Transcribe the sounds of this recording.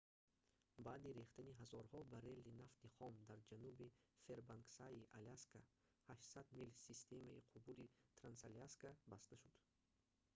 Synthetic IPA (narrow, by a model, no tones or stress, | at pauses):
baːd̪iɾeχt̪aniɦazɔɾhɔbaɾe̞lːinaft̪iχɔmd̪aɾd͡ʒanubife̞ɾbaŋksaiʔalaskʰa | haʃsad̪milsist̪ʰe̞maiqʰʊbulit̪ʰɾansaliaskabast̪aʃud̪̥